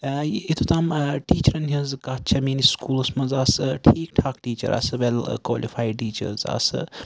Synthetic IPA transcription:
it̪ʰut̪aːmʈiːt͡ʃɐɾɐnʲɐnzkat̚t͡ʃʰɐmiːniskuːlsmɐnzaːsɨʈʰiːk̚ʈʰaːkʈiːt͡ʃɐ̰ɾʔa̰ːsɨʋelkwoːlifʰaːjɖʈiːt͡ʃɐ̰ɾza̰ːsɨ̰

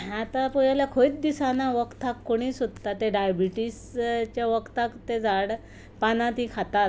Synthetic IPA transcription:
at̪apujaljakʰoit̪̚d̪isanaʋəkt̪akːoɽ̃iːsod̪t̪at̪ːeɖajabiʈist͡ɕjaʋəkt̪akt̪ed͡zaɽ | panãt̪ɦĩkʰat̪at̪

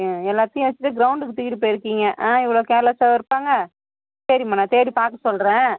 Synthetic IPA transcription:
ɛlːaːt̪ːɪjɐ̃ʋɐt͡ʃːɯʈːɯɡɪɾɐʊɳɖɯkːɯt̪ɪɣɪɽip̬ːoːjɪɾɯkːiːŋɡɐʔãːɪʋːɐɭoːkeːlɐsaːʋɪɾɯpːaːŋɡɐ | sɐɾimaːnãːt̪eːɾipaːɾkɐsɔlɾẽː

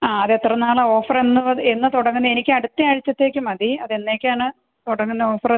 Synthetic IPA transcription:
aːɐðet̪ːrɐnaːɭɐo̞ːfɐre̞nːuʋɐðɨe̞nːɨt̪uɽɐŋːɨnːɐe̞nikʲːɨɐɽut̪ːiaːɻit͡ɕːɐt̪ːe̞ːkʲːumɐðiɐðe̞nːe̞ːkʲːaːɳɨ | t̪uɽɐŋːunːɐo̞ːfɐr

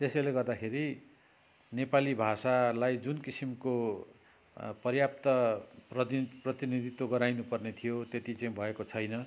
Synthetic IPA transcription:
t̪esʌjleɡʌrd̪akʰeɾi | nepalibʱasalajd͡zunkisimko | pʌrjap̚t̪ʌprʌprʌt̪inid̪ʱit̪ːoɡʌɾajnupʌrnet̪ʰijot̪et̪it͡saĩbʱʌekot͡sʰʌjnʌ

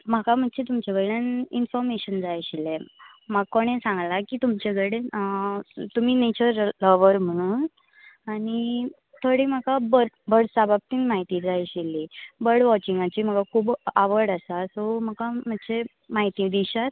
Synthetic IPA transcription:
m̤akam̤ədt͡ɕet̪umt͡ɕeʋəjɽaninfɔɾmeɕənd͡zajɕile | maɡkoɽ̃ẽsãŋɡlakiːt̪umt͡ɕeɡəɽe | t̪um̤iːnet͡ɕəɾləʋəɾm̤əɽ̃uːn | aɽ̃i | t̪ʰoɽim̤akabə | bəɽsabab̚t̪iːnmaɦit̪iːd͡zajɕilibəɽʋɔt͡ɕĩŋɡat͡ɕiːm̤əkakʰuːbaʋəɾɽasasɔmakam̤əd̪t͡ɕe | maɦit̪ĩd̪iɕat̪

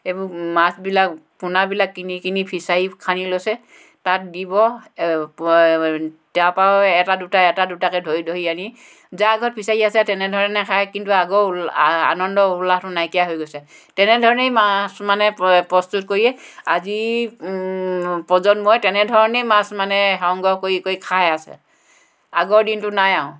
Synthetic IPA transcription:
ebumasbilakpunabilakːinikinipʰisaikʰanilojsɛ | tat̚dibɔ | tapaɔɛtadutaɛtadutakɛdʱojdʱoɦiani | zaɡɔt̚pʰisaiasɛtɛnɛdʱɔɹɔnɛkʰajkintuaɡoa̰nɔndɔulahtʊnajkijaɦojɡojsɛ | tɛnɛdʱɔɹɔnejmasmanɛpɹɔstut̚koɹiɛazi | pɔzɔnmɔjtɛnɛdʱɔɹɔnejmasmanɛɦɔŋɡɔkoikoikʰajasɛ̰ | a̰ɡɔɹdintʊnajaʊ̃

